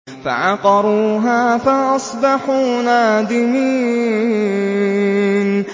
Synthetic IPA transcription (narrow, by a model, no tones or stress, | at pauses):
fa̰ʕɑqɑɾˤuːɦaːfaʔɑsˤbɑħuːnaːd̪ɪmiː | n